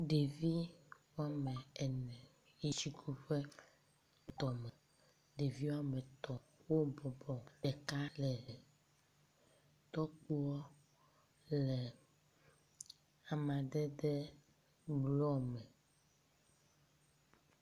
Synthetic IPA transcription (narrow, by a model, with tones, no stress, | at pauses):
ɖe˨vi˦wa˦mɛ̃˨ɛ˨nɛ̃˨ | ji˦t͡ʃi˦kʰu˦ɸɛ˦ | t̪ɔ˨mɛ˨ | ɖe˨vi˦wa˦mɛ˨t̪ɔ˨wo˦bɔ˨bɔ˨ɖɛ˨ka˦lɛ˨ | t̪ɔ˦k͡pu˦wɔ˦ | lɛ˨ | a˨mã˨ɖɛ˦ɖɛ˦ | blɔ˦mɛ˨